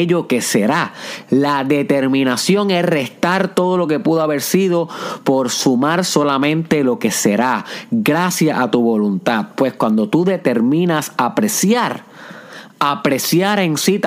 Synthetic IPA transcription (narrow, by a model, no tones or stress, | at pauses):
ʎo̞ke̞se̞ɾalaðe̞t̪e̞ɾmĩnasjo̞ŋe̞sre̞st̪aɾt̪o̞ð̞o̞lo̞ke̞puðoaβe̞ɾsið̞o̞po̞ɾsumaɾso̞lamẽ̞nt̪e̞lo̞ke̞se̞ɾaɡɾasjaʔat̪uβo̞lunt̪að̚pwe̞skwand̪o̞t̪uðe̞t̪e̞ɾmĩnasapɾesjaɾ | apɾe̞sjaɾe̞ŋsit̪